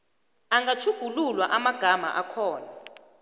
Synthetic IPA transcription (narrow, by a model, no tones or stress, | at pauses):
aŋɡat͡ʃʰuɡ̥ʱululwaʔamaɡ̥ʱama̰ʔakʰɔːna